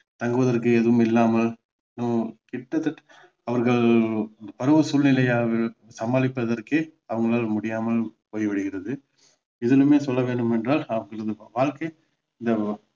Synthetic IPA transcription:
t̪ɐŋɡɯʋɐðɐrkɯeðɯʋɯmɪlːaːmɐl | nukɪʈːɐt̪ːɐʈ | ɐʋɐɾɣɐɭɐnd̪ɐpɐɾɯʋɯsʊlnɪlɐjaːʋɪsɐmbaːlɪpːɐðɐrkɯɐʋɐŋɡɐɭaːlmʊɽɪjaːmɐlpoːjʋɪɽɪɣɪrɐðɯ | ɪðɐlɯmeːsɔlːɐʋeːɳɖɯmɛndraːlɐʋɐŋɡɐɾɐðɯʋaːɭkɐɪ | ɪnd̪ɐ

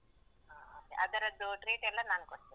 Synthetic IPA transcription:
aːɐkḛʔɐd̪ɐɾɐd̪ːuʈɾiːʈɛlːɐnaːnkoʈ̪ːi

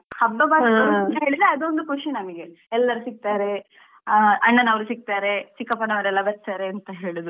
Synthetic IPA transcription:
hɐbːɐbaːɐɐnt̪ɐɦe̞ːɭid̪ɾeɐd̪o̞nd̪ukuʂinɐmiɡe̞ | ɛlːɐɾusik̚t̪aːɾe̞ | ɐɳːɐnɐʋɐɾusik̚t̪aːɾe̞t͡ʃikːɐpɐnɐʋɐɾɛlːɐbɐɾt̪aːɾeɐnt̪ɐɦeːɭud̪u

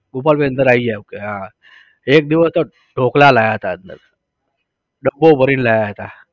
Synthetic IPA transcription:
ɡupalpeənd̪əɾaijɛokeɦã | ek̚d̪iʋəst̪ə | ɖʱoklalajaɦt̪aənə̰ɾ | ɖəbobəɾiːnlajaɦt̪a

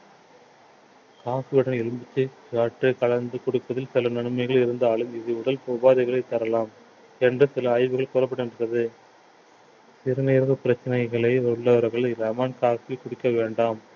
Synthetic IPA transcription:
kaːsɯʋɪɽɐnɛɻɯmbɪt͡ʃːɯkaːʈːɯkɐlɐnd̪ɯkɔɽɪpːɐðɪlsɪlɐnɐɳɯmɐɪɣɐɭɪɾɯnd̪ɐːɭɯmɪðɯʊɽɐlpoːbaːðɐɪɣɐɭɐɪt̪ːɐɾɐlaːm | ɛndrɯsɪlɐːjʋɯɣɐɭkʊɾɐpːɐɽɯnɯɐðɯ | sɪɾɯneːɾʋɯpɪɾɐt͡ʃːɐnɐɪɣɐɭɐɪɔɭːɐʋɐɾɣɐɭɾɐmaːnkaːsɪkʊɽɪkːɐʋeːɳɖaːm

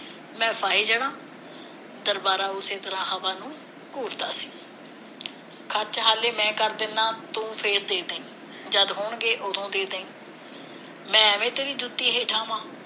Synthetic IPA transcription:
mɛ̃ːpʰaːɦiːd͡ʒəɽaː | d̪əɾbaːɾaːʊseːt̪əɾãːɦəʋaːnũː | kuːɾd̪aːsi̥ː | kʰət͡ʃɦaːleːmɛ̃ːkəɾd̪ɪnːãːt̪ũːpʰeːɾd̪eːd̪eːĩː | d͡ʒəd̪ɦʊɳɡeːʔʊt̪ʰõːd̪eːd̪eːĩː | mɛ̃ːəmẽːt̪eːɾiːd͡ʒut̪ːiːɦeːʈʰaːmãː

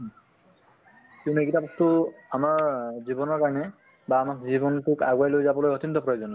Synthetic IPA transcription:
kiʊ̃nuekitaptʊamaɹzibɔnɔɹkaɹɔnɛ | baːmakzibɔntʊkaɡwajlojzabɔlojɔt̪ʰintɔpɹɔjozɔnɔ

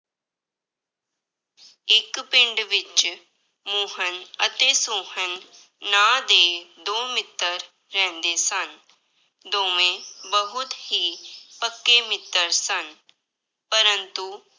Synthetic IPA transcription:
ɪkpɪ̃ɳɖʋɪt͡ʃ | moːɦənət̪eːsoːɦənː | aːd̪eːd̪oːmɪt̪ːəɾː | ɛ̃ːnd̪eːsən | d̪oːʋẽːbəɦʊt̪hiːpəkːeːmɪt̪ːəɾsən | pəɾə̃nt̪u

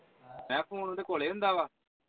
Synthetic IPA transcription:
mɛ̃ːpʰoːnõd̪ekoːleːʊ̃nd̪aːʋaː

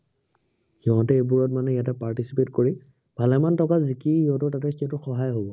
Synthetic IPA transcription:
xiɦɔ̃tɛebuɹɔtmanɛjatɛpaɹtisipetkoɹi | b̥ʱalɛmantɔkazikiiɔ̃tɔtat̬ɛkiɔ̃tʊxɔɦajɦobɔ

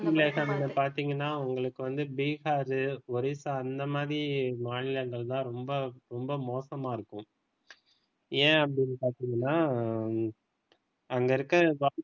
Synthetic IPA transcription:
mleːsɐmɪnːɐpaːɾt̪iːŋɡɐnːaːʊŋɡɐɭɯkːɯʋɐnd̪ɯbiːɣaːɾɯɔɾɪsaɐnd̪ɐmaːðɾimaːnɪlɐŋɡɐɭt̪ãːɾɔmbɐɾɔmbɐmoːsɐmaːɪɾɯkːʊ̃ | ẽːɐpːɐɽɪnːɯpaːɾt̪iːŋɡɐnːaː | ɐŋɡɐɪɾɯkːɐʋaː

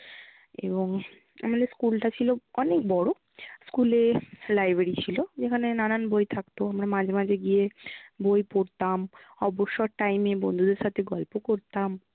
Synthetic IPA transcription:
ḛboŋ | a̰maneskulʈat͡ɕʰiloɔnekbɔɽo | skulelajbɾeɾit͡ɕʰilod͡ʑekʰanenananbojt̪ʰakt̪oamɾamãd͡ʑʱemad͡ʑʱeɡijebojpoɾt̪amɔboʃːoʈajmebond̪ʱud̪eɾʃat̪ʰeɡɔlpokoɾt̪am

